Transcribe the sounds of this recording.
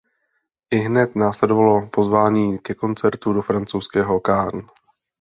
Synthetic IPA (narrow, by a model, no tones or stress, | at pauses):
ʔɪɦnɛt̪naːslɛdo̞valo̞po̞zvaːɲiːkɛko̞nt͡sɛɾt̪udo̞fɾant͡sowskɛːɦo̞kaːn